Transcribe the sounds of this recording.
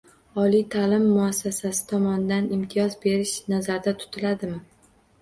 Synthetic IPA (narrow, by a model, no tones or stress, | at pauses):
ɒlit̪ʰalɪmːʊasːasasɪ̥t̪ʰɒmɒnɪd̪anɪmt̪ʰɪjɒzbe̞ɾɪʃnazaɾd̪at̪ʰʊ̥t̪ʰɪlad̪ɪmɪ